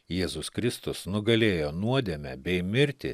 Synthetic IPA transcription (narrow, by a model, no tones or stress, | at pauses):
jeːzʊskɾʲɪst̪ʊsnʊɡɐlʲeːjoːnuɔd̪ʲemʲɛbʲɛɪmʲɪɾʲt̪ʲɪ